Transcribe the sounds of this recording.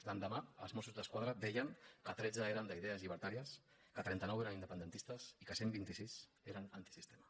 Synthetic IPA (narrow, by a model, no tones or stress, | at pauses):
d̪and̪əmaə̰lˠzmɔsuzðəskwaðɾəd̪ɛjəŋkət̪ɾɛd͡zəeɾənd̪əiðeəzʎiβ̞əɾt̪aɾiəs | kət̪ɾɛnt̪ənɔweɾənind̪əpənd̪ənt̪ist̪əsikəsembint̪isis | eɾənant̪isist̪emə